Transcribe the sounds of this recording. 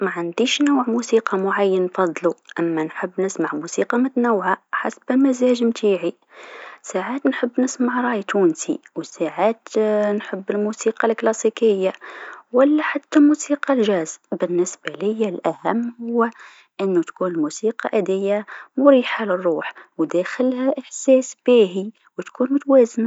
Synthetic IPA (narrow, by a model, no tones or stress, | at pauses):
maʕand̪iʃnuwʕmusiːqɑmʊʕajːənːfɑd̪ˤluʔəmːænħəbːnəsmaʕmusiqɑmət̪nawʕaħasbɪlmæzæʒmt̪ʰiːʕi | saʕaːt̪nħəbːnəsmaʕɾˤɑjt̪ʰuːnsḭwsaʕaːt̪nħəbːəlmusiːqɑlklɑsikəjːawəlːaħat̪ːamusiːqɑlʒæzbɪnːəsb̥alɪjːalʔæhæmːhʊwː | ʔɪnːut̪kuːnəlmusiqɑ̰ʔæd̪ɪjːamʊɾiːħalərˤːuːħwd̪æxəlhæʔəħsæːsb̥iːɦi | wt̪kuːnmʊt̪wæːzna